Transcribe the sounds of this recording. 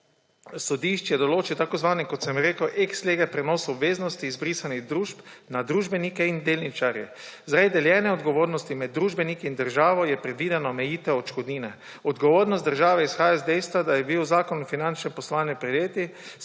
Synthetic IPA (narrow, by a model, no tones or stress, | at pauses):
sɔd̪iːʃt͡ʃjɛd̪ɔloːt͡ʃiwt̪akozʋaːnikɔt̪sɛmɾeːkəwʔeksleɡɛpɾɛnoːsɔbʋeːznɔst̪iːzbɾiːsaniɣd̪ɾuːʃp | nad̪ɾuːʒbɛnikɛind̪eːlnit͡ʃaɾjɛ | zɾɛjd̪ɛljɛːnɛɔd̪ɡɔʋoːɾnɔst̪imɛd̪ːɾuːʒbɛnikiind̪əɾʒaːʋɔjɛpɾɛd̪ʋiːd̪ɛnɔmɛjiːt̪ɛɔt͡ʃkɔd̪niːnɛ | ɔd̪ɡɔʋoːɾnɔst̪d̪əɾʒaːʋɛisxaːjazd̪ɛjst̪ʋad̪ajɛbiwzaːkɔnɔfinant͡ʃnɛpɔslʋaːnjɛpɾɛd̪jeːt̪i